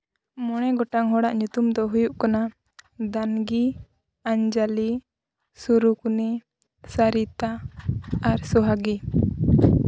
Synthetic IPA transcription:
mɔɽ̃ɛɡɔʈaŋɦɔɽaʔɲut̪umd̪ɔɦujuʔkana | d̪anɡi | aɲd͡ʒali | suɾukni | saɾit̪a | aɾsɔɦaɡi

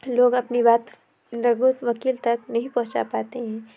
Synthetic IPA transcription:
loːɡɐpnibaːt̪ | ɾɐɡut̪ʋɐkiːlt̪ɐknɐɦĩpɐ̃ɦt͡ʃa̰paːt̪eɦɛ̃ː

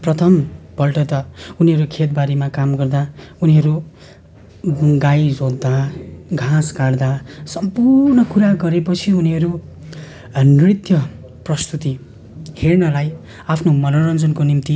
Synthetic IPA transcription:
prʌt̪ʰʌmbʌlʈʌt̪ʌuniɦʌɾukʰet̪̚baɾemakamɡʌrd̪auniɦʌɾu | ɡajd͡zod̪ːaɡʱãskaɽd̪asʌmpurnʌkuɾaɡʌɾepʌt͡sʰiuniɦʌɾu | nrit̪jʌ | prʌst̪ut̪i | hernʌlaj | apʰnomʌnoɾʌnd͡zʌnkonimt̪i

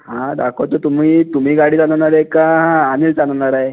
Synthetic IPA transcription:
hãd̪akʰot̪ət̪um̤iːt̪um̤iːɡaɽiːt͡sd͡zanəɳaɾaekãːniːlt͡sanɳaɾaɦe

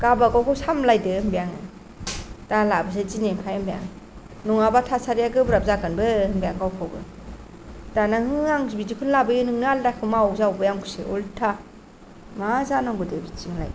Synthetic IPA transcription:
kabakawkʰawsamlajdɯmbijaŋɯ̰ | talabɯsezinempʰajɯmbija̰ŋ | nɔŋabatʰasaɾijaɡɯbɾap̚zaɡɯnbɯɯŋbijaŋɡawkʰawbɯ̰ | danahɯŋaŋbid͡ʒikʰunlabɯjɯnɯŋnaldakʰɯmaɔzawbɯjaŋkʰu̥seʔɔltʰa | mazanaŋɡɯdɯbit͡ʃiŋla̰j

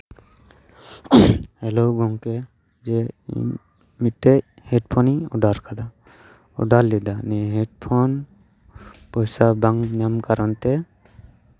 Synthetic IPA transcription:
hɛlɔɡɔŋkɛ | d͡ʒɛ̰ | miʈːɛc | hɛɖpʰɔniɔ̰ɖaɾkad̪a | ɔ̰ɖalːɛd̪anɛɦɛɖ̚pʰɔn | pɔjsabaŋɲamkaɾɔnt̪ɛ

